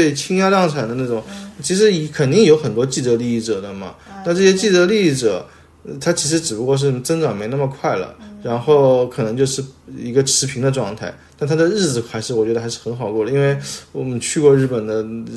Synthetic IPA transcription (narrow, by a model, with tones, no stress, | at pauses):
t̪we˥˩ɪt͡ɕʰi˥ŋja˥t̪ɑ˥˧ŋʈ͡ʂʰa˨˩nd̪ə˦na˥˩ʈ͡ʂʊ˨˩˦ŋt͡ɕʰi˧˥ʂ̬ɻ̩˧˥˧kʰə˨˩nt̪i˥˩ŋjo˧˥ʊxə˨˩nt̪wɔ˥t͡ɕi˥˩ʈ͡ʂɤ˧˥li˥˧i˥˩ʈ͡ʂɤ˨˩d̪ə˦mɐ̰˩na˥˧ʈ͡ʂɤ˥˩ɕjɛ˥t͡ɕi˥˩ʈ͡ʂɤ˧˥li˥˧i˥˩ʈ͡ʂɤ˨˩˦ | t̪ʰa˥t͡ɕʰi˧˥ʂ̬ɻ̩˧˥ʈ͡ʂɻ̩˨˩pu˧˥kwɔ˥˧ʂ̬ɻ̩˥˩t͡sə˥ŋʈ͡ʂɑ˨˩ŋme˧˥ɪna˥˩ə˩kʰwa˥˩ɪlə̰˩ɻa˧˥nxo˥˩ʊkʰɤ˨˩nɤ˧˥ŋt͡ɕjo˥˧ʂɻ̩˥˩i˧˥ɡə˧ʈ͡ʂʰɻ̩˧˥pʰi˧˥ŋd̪ə˧ʈ͡ʂwɑ˥˧ŋt̪ʰa˥˩ɪt̪a˥˩nt̪ʰa˥d̪ə˨ɻɻ̩˥˩d͡zɹ̩˩xa˧˥ɪʂɻ̩˥˩wɔ˨˩t͡ɕɥɛ˧˥d̪ə˧xʂɻ̩˥˩xə˧˥nxɑ˨˩ʊkwɔ˥˩lə˩˧i˥nwe˥˩ɪwɔ˨˩mə˨t͡ɕʰy˥˧kwɔ˥˧ɻ̩˥˩pə˨˩nd̪ə˦